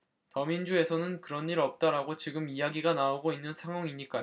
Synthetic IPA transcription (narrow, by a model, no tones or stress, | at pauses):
tʌmind͡ʑue̞sʰʌnɯnkɯɾʌnːiɾʌp̚t͈aɾaɡot͡ɕiɡɯmijaɡiɡanaoɡoinːɯnsʰaŋwʌŋiɲːik͈ajo